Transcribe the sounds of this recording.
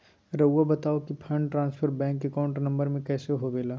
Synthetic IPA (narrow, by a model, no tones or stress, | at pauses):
ɾɐːabɐt̪aːokipʰɐ̃ɳɖʈɾãːnspʰəɾbɛ̃ːŋkːikaːʊ̃ɳʈnɐ̃mbəɾmẽkɛːseɦoʋeːlaː